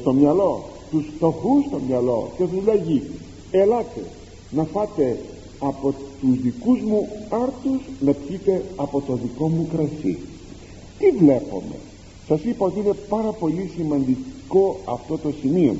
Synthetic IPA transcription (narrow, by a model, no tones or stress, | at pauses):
st̪o̞mɲɐlo̞t̪ust̪o̞xust̪o̞mɲɐlo̞̰cetuzlɐʝi | elɐt̪e̞̰ | nɐfɐt̪e̞ | ɐpo̞t̪uzðikuzmuɐɾt̪uznɐpçit̪e̞ɐpo̞t̪o̞ðiko̞mukɾɐsḭ | t̪ivle̞po̞̰me̞̰ | sɐsipɐo̞t̪iine̞pɐɾɐpo̞lisimɐnd̪iko̞ɐft̪o̞t̪o̞simio̞̰